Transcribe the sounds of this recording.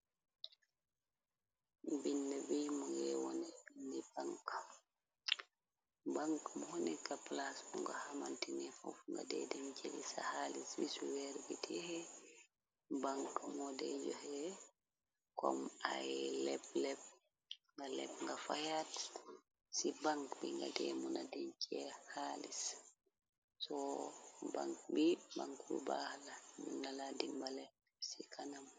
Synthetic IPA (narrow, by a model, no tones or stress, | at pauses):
binːɛbimɔɡɛwɔ̰nɛbindɛbaŋka | baŋkmɔhɔnɛkaplasbɔŋɡahamantinɛfɔ̰fŋɡa̰dɛ̰dɛmt͡ʃelḭsa̰haliswisuwɛɾɡitʰɛhɛ | baŋkmɔdɛ̰d͡ʒɔhɛ | kɔ̰majlɛblɛb̚ | ŋɡalɛ̰bŋɡafajat | sibaŋkbiŋɡa̰dɛmɔnadɛɲt͡ʃʰɛhalis | sɔ | ba̰ŋkbibaŋkuɾṵbahalad͡ʒunːaladimbalɛ | sikʰanam